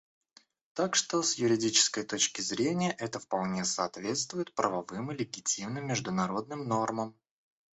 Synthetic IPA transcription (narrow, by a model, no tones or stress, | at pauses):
t̪akʂt̪o̞sjʊɾʲɪdʲit͡ɕɪ̥skəjt̪o̞t͡ɕkʲɪzɾʲenʲɪjəʔɛt̪əfpɐlˠnʲesɐːt̪vʲe̞t̪st̪vʊjɪt̪̚pɾʔəvɐvɨmɨlʲɪɡʲɪtʲimnɨmʲːɪʐd̪ʊnɐɾo̞d̪̚nɨmno̞rməm